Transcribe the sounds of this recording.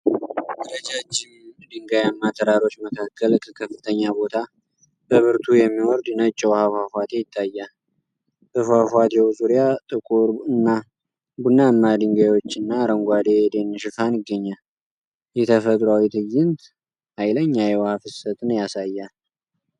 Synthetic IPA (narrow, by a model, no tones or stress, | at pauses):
dɨɾəd͡ʒat͡ʃːɪnd̪ɨŋɡajamːat̪ʰəɾaɾo̞t͡ʃːməkʰakʰːəlkʰəkʰəfːɨt̪ʰəɲːabo̞t̪ʰa | b̥əβɨɾt̪ʰujɛmːiwɔɾd̪nət͡ʃʼːɛwhafafat̪ʰe̞jɪt̪ʼːajːal | ʔɨfafat̪ʰewzuɾjat̪ʼɨkʼuɾɨnːa | bunːaɨmːad̪ɨŋɡajwot͡ʃːɨnːaɾəŋɡʷad̪e̞d̪e̞nːɨʃɨfanɨɡːəɲːal | jɛt̪ʰəfət̪ʼɾawit̪ʰɨɡːɪnt̪ | hajləɲːajɛwhafɨsət̪ʼnjasajːal